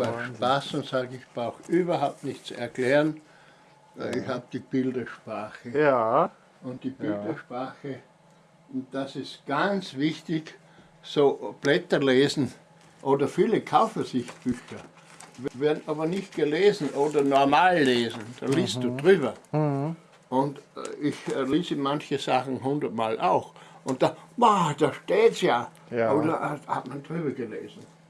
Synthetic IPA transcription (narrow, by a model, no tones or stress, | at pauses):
aʃpasʊ̃ntsaːɡəɪçb̥ʁaʊxʔyːbɐhaʊp̚tnɪçt͡suɛɐklɛːʁən | ɪçhaːb̚d̥iːb̥ɪldɐʃpʁ̥aːxə | ʊ̃nt̚d̥iːb̥ɪldɐʃpʁaːxə | ʊnt̚d̥asɪstɡ̥ant͡svɪçtɪç | soːb̥lɛtɐleːzn̩ | ʔoːdɐfiːləkʰaʊfəsɪçtb̥yːçɐ | veːɐdn̩ʔaːbɐnɪçt̚ɡ̥əleːzn̩ʔoːdɐnɔɐmaːlːeːzn̩d̥a̰ːliːstd̥uːdʁyːbɐ | ʔʊntɪçleːzəmançəzaχn̩ɦʊndɐtmaːlʔaʊxʔʊnt̚d̥amad̥aːʃteːtjaː | oːdɐʔhatmand̥ʁyːbɐɡəlḛːzn̩